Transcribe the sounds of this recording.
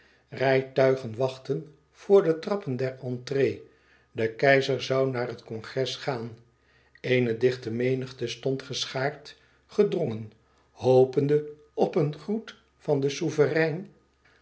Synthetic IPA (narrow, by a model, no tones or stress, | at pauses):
rɛjtœɥχənʋɑχtən | v̥ʊːɹdətrɑpəndɛɹɑntreː | dəkɛjzəɹzɑwnaːrɦətkɔnχɛsχaːn | ejnədɪχtəmejnəχtəstɔntχəsχaːɹt | χədrɔŋən | howpəndə | ɔpənχrut | fɑndəsuvərɛjn